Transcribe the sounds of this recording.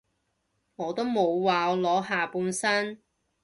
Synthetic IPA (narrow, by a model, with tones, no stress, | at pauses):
ŋɔː˨˧t̪o˥wmo˨˧wwaː˨˧lɔː˨˥ɦaː˨˩puː˨˧nsɐ˥n